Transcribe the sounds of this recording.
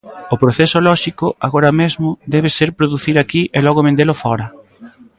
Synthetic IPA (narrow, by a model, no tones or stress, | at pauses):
ʊpɾoθesʊlɔʃikʊa̰ɣoɾɐmezmʊd̪ɛβ̞eseɾpɾoðuθiɾakiʔelɔɣʊβẽnd̪elʊfɔɾɐ